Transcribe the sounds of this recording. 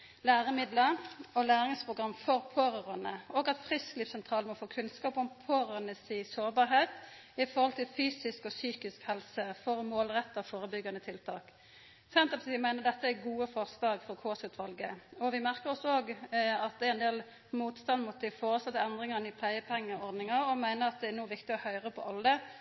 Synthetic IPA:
læːʁəmɪd̪ləɔlæːɾɪŋspʁʊɡʁɑmːfɔʁpʰoːʁɑʁɑnəɔːɡɑt̪fʁɪskliːfsɛnt̪ʰʁɑːləmɔfoːkʰʉnskɑːpɔmpʰoːʁɑnəsiːsoːɾbɑːɾɦeːt̪ | ɪfɔʁhɔlt̪ʰɪlfyːsɪskɔsyːkɪskhɛlsəfɔʁmoːlʁɛt̪ːɑʋfoːɾəbʏɡːɑnət̪ʰɪlt̪ʰɑːk | sɛnt̪əpɑt̪iːmæɪnəʁd̪ɛt̪ːəæɡuːəfɔʁslɑːɡfɔʁkʰoːsʉt̪ʰʋɑlɡəɔʋɪmæʁkəʁɔsoːɡɑt̪̚d̪ɛɛnd̪eːl | muːt̪st̪ɑnd̪mʊt̪ːd̪ɪfoːʁəsɑt̪ːəɛnd̪ʁɪŋɑnɪpʰlæɪəpʰɛŋːəɔʁd̪nɪŋɑɾɔmæɪnəʁɑt̪̚d̪ɛænuːʋɪkt̪ɪɔhœʏʁəpʰɔʔɑlːə

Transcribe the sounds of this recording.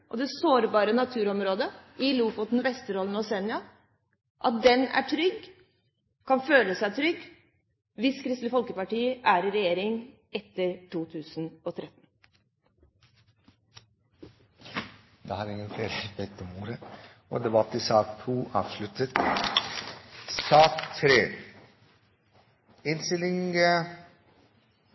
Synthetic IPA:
ʔɔ̰d̪ɛsoːɾbɑːɾənɑt̪ʰʉːɾɔmɾoːd̪əɪluːfɔt̪n̩ʋɛst̪əɾɔlən̩ɔsɛnɪɑ | ʔɑt̪̚d̪ɛnæ̰ʈʰɾʏɡ | kʰɑnføːləsæɪt̪ʰɾʏɡ | ʋɪskʰɾɪst̪ləfɔlkəpɑʈiːəʔæɾɪɾɛjeːɾɪŋ | ɛt̪ːəɾʈuːt̪ʰʉːsn̩ɔt̪ʰɾɛt̪n̩ | d̪ɛ̰hɑːɾɪŋːənfeːɾəbɛt̪ːəmuːɾəɔ̰d̪ɛbɑt̪ːɪsɑːkt̪ʰuːʔɑ̰ːʋslʉt̪ət̪ | sɑːkt̪ʰɾeː | ɪnst̪ɪlɪŋə

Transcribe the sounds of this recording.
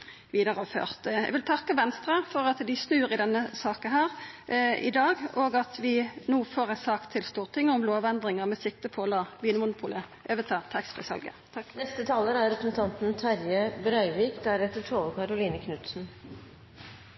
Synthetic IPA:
ʋiːd̪əʁəfø̰ːʁt̪jɛ̰ɡʋɪlt̪ʰɑkːəʋɛnst̪ʁɑfɔʁɑt̪d̪ɪsnʉːʁɪd̪ɛnːəsɑːkənɦæːʁʔɪ̰d̪ɑːɡoːɡɑt̪ʋɪnuːfɔʁæsɑːkt̪ʰɪlst̪uːʁt̪ʰɪŋːəɔmloːʋɛnd̪ʁɪŋəʁmɛsɪk̚t̪əpʰɔɔlɑːʋiːnəmʊnʊpʰuːləʔøːʋət̪ʰɑːt̪ʰɛksfɪ̰sɑ̰lɡə̰t̪ʰɑknɛst̪ət̪ʰɑːləɾæɾɾɛpɾəsn̩t̪ʰɑnt̪n̩t̪ʰɑɾjəbɾœʏʋiːkd̪æɾɛt̪ːəʈʰɾoːʋəkʰɑɾʊliːnəkʰnʉt̪sn̩

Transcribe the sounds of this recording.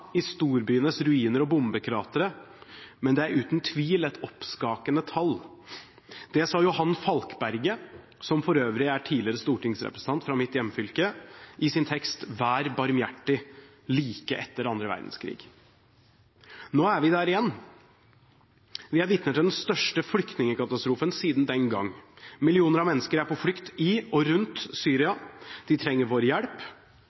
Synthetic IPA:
ɪst̪uːɾbyːənəsɾʉiːnəɾɔbʊmbəkʰɾɛɑːt̪əɾə | mɛnd̪ɛæɾʉːt̪nt̪ʰʋiːlɛt̪ʰɔpskɑːkənət̪ʰɑl | d̪̥ɛsɑːjʊhɑnːfɑlkbæɾɡə | sɔmfɔɾøːʋɾɪæʈʰiːlɪəɾəst̪uːʈʰɪŋsɾɛ̰pɾəsən̩t̪ɑnt̪fɾɑmɪt̪jɛmːfʏlkəʔɪsɪnt̪ʰɛkst̪ʋæːɾbɑɾmjæʈːɪ | liːkəʔɛt̪ːəɾɑnd̪ɾəʋæ̰ɾd̪n̩skʰɾḭːɡ̥ | noːæɾʋɪd̪æːɾɪjɛnː | ʋɪæɾʋɪt̪nət̪ʰɪld̪ɛnst̪œʂʈəfɽʏkt̪nɪŋəkɑt̪ɑst̪ɾuːfənsiːd̪n̩d̪ɛnɡɑŋːmɪlɪuːnəɾɑʋmɛnːəskəɾæɾpʰɔfɽʏkt̪ɪɔɾʉnt̪syːɾɪɑd̪̥ɪt̪ʰɾɛŋːəɾʋoːɾjæɽp

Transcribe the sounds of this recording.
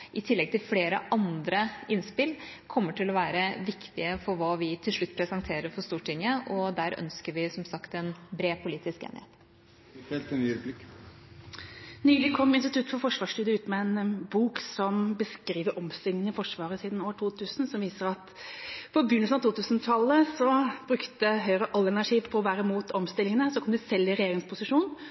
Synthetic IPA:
ʔɪt̪ʰɪlːɛɡ̚t̪ʰɪlfleːɾəʔɑnd̪ɾəɪnspɪlkʰɔmːəʈʰɪlːɔʋæːɾəʋɪkt̪ɪəfɔɾʋɑːʋɪt̪ʰɪlʂɭʉt̪ːpʰɾɛsɑnt̪ʰeːɾəɾfɔst̪uːʈʰɪŋːəɔd̪æːɾœ̰nskəɾʋɪsɔmsɑkt̪ɛnbɾeːpʰʊliːt̪ɪskḛːnʔɪheːt̪ | fɛlt̪ɛnyːɾəblɪkː | nyːlɪkʰɔmːɪnst̪ɪt̪ʉt̪ːfɔɾfɔʂʋɑːʂʈyːd̪əʉːt̪mɛɛnbuːksɔmbəskɾiːʋəɾʔɔmst̪ɪlŋənəfɔʂʋɑːɾəsiːd̪noːʈʰuːt̪ʰʉːsnsɔmʋiːsəɾɑt̪ | fɔbʏnːəlsnɑʋt̪uːt̪ʉːsnt̪ʰɑlːəsɔb̥ɾʉkt̪əɦœʏɾəʔɑlːæɳɑʈiːʋpʰɔɔʋæːɾəɪmuːt̪ɔmst̪ɪlɪŋənəsɔkʰɔmd̪ɪsɛlːɪɾɛjeːɾɪŋspʊsɪʂuːn

